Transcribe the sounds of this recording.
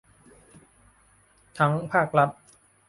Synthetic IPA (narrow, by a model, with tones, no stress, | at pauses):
t̪ʰa˦˥ŋpʰaː˥˩k̚la˦˥t̪̚